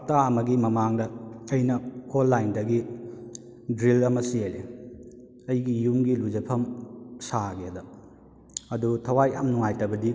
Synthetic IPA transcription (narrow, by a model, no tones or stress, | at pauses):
taɐmɐɡimɐmaŋdɐːjnɐolːajndɐɡi | dɾilɐmɐsiele | ɐjɡijuŋɡilud͡ʒɐpʰɐmsaɡelɐ | ɐdutʰɐwajamnuŋajtɐbɐdi